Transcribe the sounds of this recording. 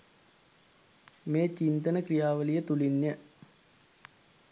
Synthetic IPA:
meːt͡ɕint̪ənəkrijaːʋəlijət̪ulinjə

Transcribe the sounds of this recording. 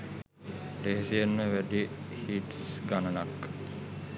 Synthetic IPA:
leɦesienːəʋæɖihiʈsɡanɐnakː

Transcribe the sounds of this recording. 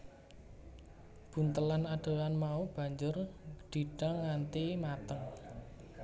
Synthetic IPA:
b̥ṳnt̪əlanaɖ̥o̤anmaub̥a̤ɲd͡ʒʊrɖ̪̥i̤ɖ̥aŋːant̪imat̪əŋ

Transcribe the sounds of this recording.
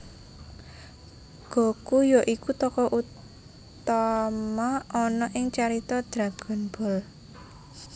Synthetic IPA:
ɡ̥ɔ̤kujɔʔikut̪ɔkɔʔut | t̪amaɔnɔʔɪŋt͡ʃaɾit̪ɔd̪̥ɾaɡ̥ɔ̤nb̥ɔ̤l

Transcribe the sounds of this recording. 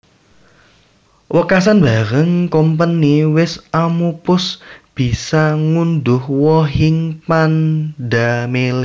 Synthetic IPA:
wʔəkas̬anb̥aɾəŋkɔmpəniwɪsamupʊsb̥i̤saŋundʊhwɔɦɪŋpandamel

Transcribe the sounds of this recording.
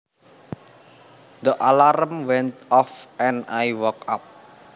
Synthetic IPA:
d̪əʔalaɾəmwɛnt̪̚ɔfɛnajwɔkap̚

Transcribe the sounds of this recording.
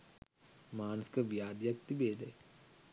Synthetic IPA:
maːnəsi̥kɐʋjaːd̪jɐk̚t̪ibeːd̪ʱe

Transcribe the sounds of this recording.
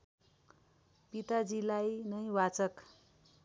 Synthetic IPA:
pit̪ad͡zilajnʌjwat͡sʌk

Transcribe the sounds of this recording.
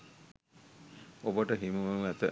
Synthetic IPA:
obəʈəɦimuʋəmæt̪ə

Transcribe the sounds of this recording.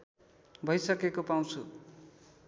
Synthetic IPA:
bʱʌjsʌkekopaw̃t͡sʰṵ

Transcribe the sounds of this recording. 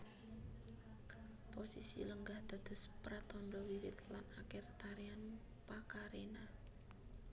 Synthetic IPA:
posisḭləŋɡahd̪̥a̤d̪̥ʊ̤spɾat̪ɔnd̪ɔwiwɪ̰t̪lanakɪrt̪aɾian | pakaɾena

